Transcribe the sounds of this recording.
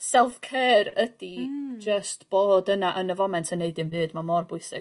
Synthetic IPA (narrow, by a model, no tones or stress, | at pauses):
sɛlˠθkʰɛːrədid͡ʒəstb̥oːdənaʔənəvɔmɛntʰəneɨdɨmvɨːdmamɔrbʊɨsɪ̰